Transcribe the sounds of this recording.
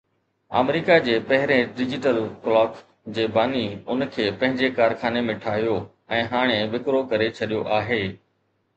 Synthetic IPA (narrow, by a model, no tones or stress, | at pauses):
a̰ːmɾiːkad͡ʑeːpɐɦɪɾẽɖɪd͡ʑɪʈəlklɔːk | d͡ʑeːbaːniʊnkʰeːpɐ̃ɦɪ̃ɲd͡ʑekaːɾxaːnemẽʈʰaːɦjo | ɛ̃ːɦaːɽ̃eʋɪkɾokɐɾet͡ɕʰɐɗijoʔaːɦeː